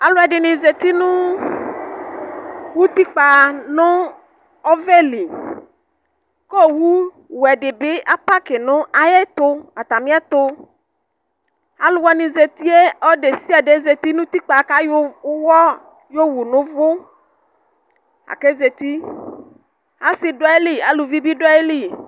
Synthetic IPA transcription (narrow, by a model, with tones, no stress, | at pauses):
a˨lʊ˦ɛ˨dɪ˨nɪ̃˨ze˨t̪i˦nʊ̃˦ | wu˦t̪i˦k͡pa˨nʊ̃˦ | ɔ˦vɛ˦li˨ | kɔ˦˨wu˦ | wɛ˨dɪ˨bɪ˦a˦pa˦kɪ˨nʊ̃˦ʔa˨jɛ˦t̪ʊ˧a˨t̪a˨mɪ̃˦ɛ˦t̪ʊ˧ | a˨˦lʊ˨wɔ˦nĩ˨ze˨t̪i˦e˦ɔ˦ɖe˨si˦a˨ɖe˨˦ze˨t̪i˦nʊ̃˦t̪i˦k͡pa˨˦ka˦jwɔ˦ | jo˦wu˨nʊ̃˦vʊ˦ | a̰˨ke˦ze˨t̪i˦ | a˦sɪ˨dʊ˦e˦li˦a˨lu˨vi˦bi˦ɖa˦e˦li˦˨